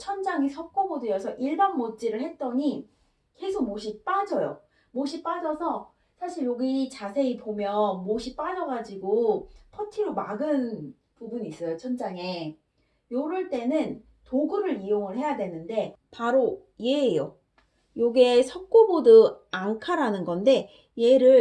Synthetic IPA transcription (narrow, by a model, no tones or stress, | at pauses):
t͡ɕʰʌnd͡ʑaŋisʰʌk̚k͈obodɯjʌsʰʌʔiɭbanmot͡ɕ͈iɾɯɭhe̞t̚t͈ʌɲi | ke̞sʰok̚moɕʰip͈ad͡ʑʌjo̰ | moɕʰip͈ad͡ʑʌsʰʌ | sʰaɕʰiɭjoɡit͡ɕasʰe̞ipomjʌnmoɕʰip͈ad͡ʑʌɣad͡ʑiɡopʰʌtʰiɾomaɡɯn | pubunis͈ʌjot͡ɕʰʌnd͡ʑaŋe̞ | joɾɯɭt͈e̞nɯn | toɡɯɾɯɾijoŋɯɭhe̞jadwe̞nɯnde̞paɾo | je̞ːjo | joɡesʰʌk̚k͈obodɯaŋkʰaɾanɯnɡʌnde̞ | je̞ɾɯɭ